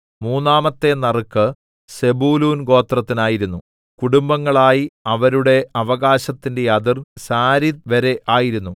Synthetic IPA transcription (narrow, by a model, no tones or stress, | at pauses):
muːnːaːmɐt̪ːe̞nɐrɨkːɨ | se̞buːluːnɡo̞ːt̪rɐt̪ːinaːjiɾunːu | kuɽumbɐŋːɐɭaːjiɐʋɐɾuɽe̞ɐʋɐɣaːɕɐt̪ːinde̞jɐðirsaːɾit̪̚ʋɐɾe̞ʔʔaːjiɾunːu